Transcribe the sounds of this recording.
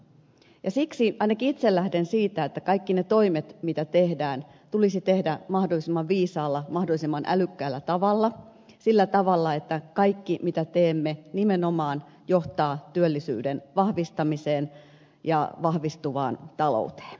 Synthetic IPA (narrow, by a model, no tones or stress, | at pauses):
jɑsiksiʔɑinɑkiit̪sellæhdensiːt̪æet̪ːækɑikːinet̪o̞imet̪mit̪æt̪ehdæːn | t̪ulisit̪ehdæmɑhdolːˑisimːɑʋʋiːsɑːlːɑmɑhdolːisimːɑnʔæ̰lykːæːlːæt̪ɑʋɑlːɑ | silːæt̪ɑʋɑlːɑet̪ːækɑikːimit̪æt̪eːmːenimenomɑːn | joht̪ɑːt̪yølːisy̰ːdenʋɑhʋist̪ɑmiseːn | jɑʋɑhʋist̪uʋɑ̰ːnt̪ɑlo̰ut̪e̥ːn̥